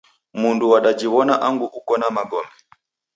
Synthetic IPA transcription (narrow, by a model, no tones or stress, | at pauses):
munduwaɗad͡ʒiwɔnaʔaŋɡuʔukɔnamaɡɔmɛ